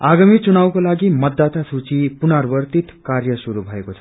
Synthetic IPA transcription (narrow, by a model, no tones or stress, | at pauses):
aɡamiːt͡sunawkolaɡiːmət̪̚d̪at̪asʰut͡ɕiːpunaɾʋəɾt̪it̪kaɾjəsuɾubʱajkot͡sʰa